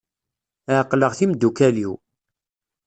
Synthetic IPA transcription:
ʕqləʁθimd̪ːukæliw

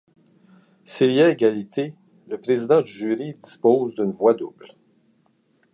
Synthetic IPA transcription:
siljaeɡʲalit̪ʰe | ləpʁezid̪ɑ̃d̪yʒyːʁid̪ispɔːzd̪ynvwad̪ubl

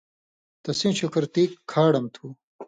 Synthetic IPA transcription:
t̪ɐsĩːɕukɐɾt̪iːkʰːaːɽɐmt̪ʰuː

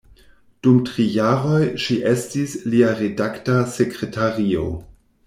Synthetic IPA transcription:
d̥umtʁijaɾo̞jʃiʔe̞stisliaɾedaktasekɾetʰaʁio̰

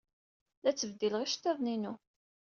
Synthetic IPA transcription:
ðæt͡sːəvd̪iləʁiʃt̪ːeðˤninu

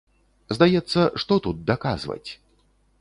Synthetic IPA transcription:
zd̪ajɛt̪sːɐʂt̪ɔt̪ut̪̚d̪akazvɐ̰t͡sʲ

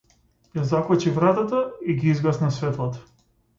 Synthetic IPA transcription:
jazaklˠat͡ʃivɾat̪at̪aiɡiizɡasnasvɛt̪lˠɔt̪

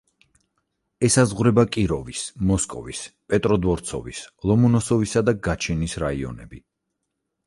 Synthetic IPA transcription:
ɛsazʁwɾɛbakʼiɾɔvismɔskʼɔvispʼɛt̪ʼɾɔd̪vɔɾt̪sʰɔ̰vislˠɔmunɔsɔvisad̪aɡat͡ʃʰinisɾaiɔ̰nɛbi

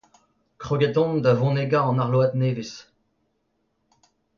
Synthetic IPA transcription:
kχɔɡɛt̪ɔ̃nd̪avɔ̃neɡaɑ̃naʁloat̪neːvis

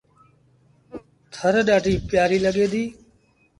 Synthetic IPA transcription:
t̪ʰəɾɗaːʈiːpɪjaːɾiːləɠeːd̪iː

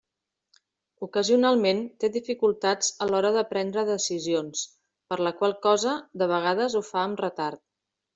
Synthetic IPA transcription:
ukəziunalˠment̪eðifikulˠt̪ad͡zəlɔɾəðəpɾɛnd̪ɾəðəsizions | pəɾləkwalˠkɔzəd̪əβ̞əɣ̞aðəzufaəmrət̪aɾt̪̚

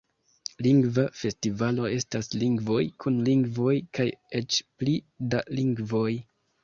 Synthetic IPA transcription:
liŋɡvafe̞stivalo̞e̞stasliŋɡvo̞jkʰunliŋɡvo̞jkaje̞t͡ʃpli | daliŋɡvo̞j

